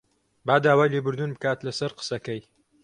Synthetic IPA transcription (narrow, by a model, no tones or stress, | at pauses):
baːd̪aːwaːjleːbɨɾd̪unbɨkaːt̪lɐsɐɾqə̥sɐkɐj